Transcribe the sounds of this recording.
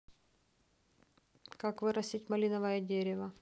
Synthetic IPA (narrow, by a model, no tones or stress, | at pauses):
kakvɨɾɐsʲitʲmɐlʲinɐvɐjədʲeɾʲɪvɐ